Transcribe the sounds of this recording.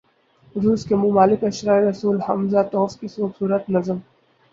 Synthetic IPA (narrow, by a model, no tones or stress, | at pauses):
ɾuːskemʊmaːlɪkɐʃɾaːeɾɐsuːlhɐmzat̪ɔːfkisoːbsuːɾət̪nɐzəm